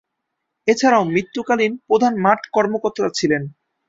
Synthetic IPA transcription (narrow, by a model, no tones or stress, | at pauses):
et͡ɕʰaɾaoʊmɾit̪ːukalinpɾod̪ʱanmaʈʰkɔɾmokot̪ːɾat͡ɕʰilen